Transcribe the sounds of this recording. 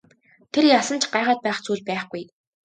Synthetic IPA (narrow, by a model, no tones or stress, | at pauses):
t̪ʰerjasə̆nt͡ɕʰɢaːʁaːt̪̚pæːχt͡suːɮpæːχɡuj